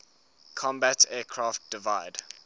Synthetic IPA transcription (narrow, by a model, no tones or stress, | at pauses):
kʰɔ̃mbætʰɛːkʰɹɑft̚d̥ɪvaɪd